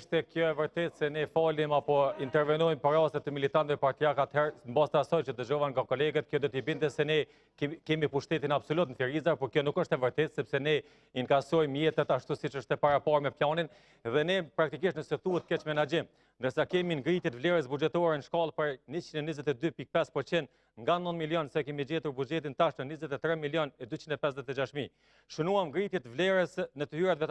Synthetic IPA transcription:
ʃt̪ɛkjɔɛvəɾt̪ɛt̪sɛnɛfalimapɔint̪ɛɾvɛnɔjmpəɾast̪ɛt̪ːəmilit̪ant̪vɛpaɾt̪iakat̪hɛɾmbast̪asɔjt͡ʃəd̪əʒɔvanŋɡakɔlɛɡət̪kjɔd̪ɔt̪ibint̪ɛsɛnɛ | kkɛmipuʃt̪ɛt̪̬inabsɔlut̪nəθiɾizaɾpɔɾkjɔnukəʃt̪ɛvəɾt̪ɛt̪sɛpsɛnɛ | iŋkasɔjmjɛt̪ɛt̪aʃt̪usit͡ʃəʃt̪ɛpaɾapaɾmɛplanin | ɛðɛnɛpɾak̚t̪ik̬iʃt̪nəsɛt̪uət̪kɛt͡ʃmɛnad͡ʒim | nd̪əɾsakɛminɡɾit̪jɛt̪vlɛɾɛs̬bud͡ʒɛt̪ɔaɾɛnəʃkɑlˠpəɾnit͡ʃinɛnizɛt̪ɛd̪ypik̚pɛspɔt͡ʃind̪ | ŋɡanɔnd̪miljɔnsakɛmid͡ʑɛt̪uɾbud͡ʒɛt̪int̪aʃt̪ənizɛt̪ɛt̪ɾɛmiljɔnɛd̪yt͡ɕind̪ɛpɛsɛt̪ɛd͡ʒaʃmi | ʃənuamɡɾit̪jɛt̪vlɛɾɛsnət̪əhyɾat̪vɛt̪

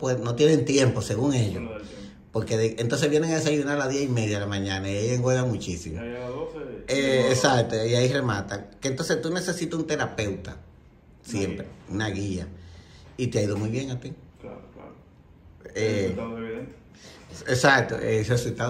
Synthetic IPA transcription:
pweðnot̪je̞nent̪je̞mpo̞seɣuŋe̞ʎo | poɾkeðeent̪onseβjeneŋaes̬ajðenalaðiaimeðjaðelamãɲãnaiejeŋɡweðamũt͡ʃisimo | eːsak̚t̪oiairemat̪akent̪o̞nsest̪une̞se̞sit̪aunt̪e̞ɾape̞wt̪a̰ | sje̞mpɾeunaɣia | it̪eaiðomujβjeŋat̪ikl | e | esak̚t̪o̰eresult̪a

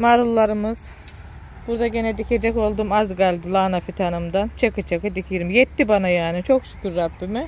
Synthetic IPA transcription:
maɾulˠːaɾɯmɯz̥ | b̥uɾd̪aɟenɛd̪icʰʲe̞d͡ʒɛko̞lˠd̪umazɡalʲd̪ɯlˠaːnafit̪ʰanɯmd̪ant͡ʃʰakʰɯt͡ʃʰakɯd̪icʰiɾimjɛt̪ːibanajaːnit͡ʃʰo̞ksu̥kʲʰuɾːabːimɪ

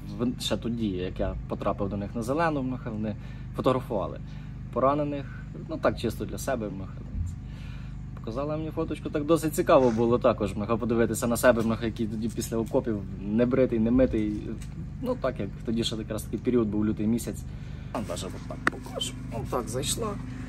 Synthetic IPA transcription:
ʋʃɛt̪ɔdʲijɐkjapɔt̪ɾɑpɪwd̪ɔnɪxnɐzelˠɛnʊmnɔɦɑʋɔnɪ | fɔt̪ɔɦɾɐfʊʋɑ̰lˠɪ̰ | pɔɾɑnenɪx | nut̪ɑk̚t͡ʃɪst̪ɔd̪lʲɐsɛbɛmnɔhɐt͡sɛ | pɔ̥kɐzɑlˠɪmenʲifɔt̪ɔt͡ʃkʊt̪ɑk̚d̪ɔsɪtʲt͡sʲikɑʋɔbʊlˠɔt̪ɑkɔʒmnɔɦɑpɔd̪ɪʋɪt̪ɪsʲɐnɐsɛbɛmnɔɦɐjɐkʲit̪ɔdʲipʲisʲlʲɐɔkɔpʲiw | nɛbɾɪt̪ɪjnɛmɪt̪ɪj | nut̪ɑkjɐkt̪ɔdʲiʃɛjɐkɾɑst̪ɐ̥kɪjpʲeɾʲiɔd̪̚buwlʲut̪ɪjmʲisʲɐt͡sʲ | nd̪ɑʒɛʋɔt̪ɑkpɔkɔʒ | ɔt̪ɑɡzɐjʃlˠɑ

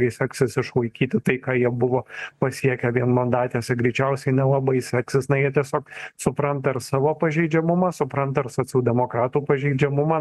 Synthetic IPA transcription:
ɐɪsʲɛksʲɪsɪʃʋɐɪkʲiːt̪ʲɪt̪ɐɪkɑːjiɛbʊʋoːpɐsʲiɛkʲɛʋʲiɛnmɐnd̪ɑːt̪ʲeːsʲɛɡɾʲɛɪt͡ʃʲɛʊsʲɛɪnʲɛlˠɐbɐɪsʲɛksʲɪsnɐjiɛt̪ʲiɛsʲoːksʊpɾɐnt̪ɐɪɾsɑːʋoːpɐʒʲɛɪd͡ʒʲɛmʊmɐsʊpɾɐnt̪ɐɪɾsoːt͡sʲɛʊd̪ʲɛmoːkɾɑːt̪uːpɐʒʲɛɪd͡ʒʲɛmʊmɐ

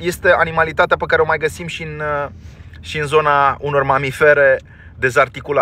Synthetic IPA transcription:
je̞st̪e̞ʔanimalit̪at̪eapəkaɾeo̞majɡəsimʃin | ʃiɨnzo̞nauno̞rmamife̞ɾe̞ | d̪e̞zart̪ikula

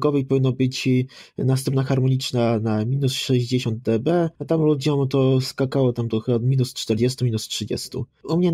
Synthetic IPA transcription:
ɡɔvɛjpɔvʲinːɔbɘt͡ɕnast̪ɛ̃mpnaxaɾmɔɲit͡ʂnanamʲinusʂɛʑd͡ʑeɕɔnd̪̚d̪ɛbɛat̪amlud͡ʑɔmt̪ɔskakawɔt̪amt̪ɔxɨbad̪mʲinust͡ʂt̪ɛɾd͡ʑɛst̪umʲinustʂɘd͡ʑɛ̰st̪ṵumɲɛ

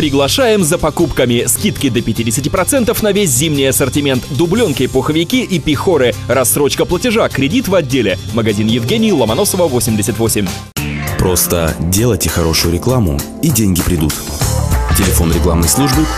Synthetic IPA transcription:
pɾʲɪɡlˠɐʂajɪmzəpɐkupkəmʲɪskʲit̪kʲɪd̪əpʲɪtʲidʲɪsʲɪtʲɪpɾɐt̪sɛnt̪əfnɐvʲes̬ʲzʲimnʲɪjɐsərtʲɪmʲe̞nt̪d̪ʊblʲonkʲɪpʊxəvʲɪkʲiʔipʲɪxoɾɨɾɐsːɾo̞t͡ɕkəplˠətʲɪʐakɾʲɪdʲit̪vɐdʲːelʲɪ | məɡɐzʲinjɪvɡʲenʲɪjlˠəmɐno̞səvəvosʲɪmʲdʲɪsʲɪt̪ʲvo̞sʲɪmʲ | pɾo̞st̪ə̰dʲelˠəjtʲɪxɐɾo̞ʂʊjʊɾʲɪklˠamʊ̰ | idʲenʲɡʲɪpɾʲɪd̪ut̪ | tʲɪlʲɪfo̞nɾʲɪklˠamnəjslˠuʐbɨ

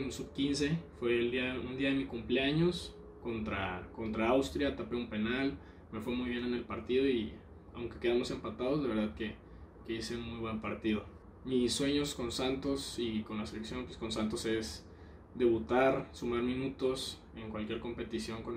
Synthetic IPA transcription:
nsuβkinse̞fwe̞ld̪iaund̪iaðemikumpleaɲo̞s | ko̞nt̪ɾa̰ko̞nt̪ɾaawst̪ɾjat̪apeumpe̞nal | me̞fwe̞mujβje̞ne̞ne̞lpaɾt̪iðo̞i | a̰wŋke̞̥ke̞ð̞amo̞se̞mpat̪aðo̞zlaβe̞ɾðaðke̞ | keiseunmujβwe̞mpaɾt̪iðo̞ | miswe̞ɲo̞sko̞nsant̪o̞siko̞nlase̞leksjo̞npwesko̞nsant̪o̞se̞s | d̪e̞βut̪aɾsumaɾmĩnut̪o̞s | e̞ŋkwalkjeɾko̞mpe̞t̪isjo̞ŋkon

